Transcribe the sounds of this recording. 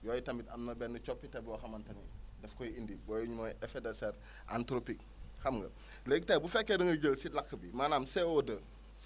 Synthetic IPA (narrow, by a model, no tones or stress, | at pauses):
jɔːjitɐmbitɐmnɐbɛnːət͡ʃɔpːitɐbiwɔxɐmɐntɐnidɛfkɔjiindibɔjuɲumɔjɛfedɐseɾ | a̰ntɾopik̚ | hɐmŋɡə̰ | lekitaːjbufɛkːedəŋɡəɟəlsilakːəbimaːnamseodə